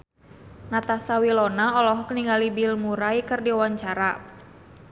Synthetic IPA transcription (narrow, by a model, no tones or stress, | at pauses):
nat̪asawilɔnaɔlɔɦɔkəniŋɡalibilmuɾaikɨrdiwaɲt͡ʃaɾa